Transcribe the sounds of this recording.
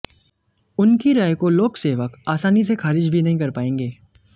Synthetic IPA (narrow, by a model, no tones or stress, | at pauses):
ʊnkiɾaːjkoloːɡseːʋəkaːsaːnisexaːɾɪd͡ʒbʱinɐɦĩkɐɾpaːẽːŋɡeː